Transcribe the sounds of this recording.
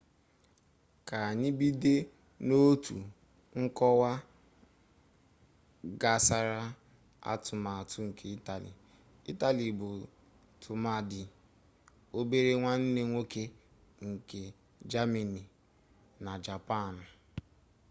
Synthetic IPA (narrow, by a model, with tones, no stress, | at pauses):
ka˨ni˦bi˦de˦ | no˦tṵ˨ | ŋ̩˦kɔ˦wa˦ | ɡa˨sa˨ɾa˦ | a̰˦tʊ˨ma˨a˨tʰʊ˦ŋ̩˨kʰe˨i˦ta˨lḭ˨ | ḭ˦ta˨li˨bʊ˨ | tʰʊ˨ma˦di˨ | o˦be˦ɾe˦ŋʷa˦n̩˦ne˦ŋʷo˦ke˦ | ŋ̩˨ke˨ | d͡ʒa˦me˨ni˨ | na˨d͡ʒa˨pa˦˨n̩˨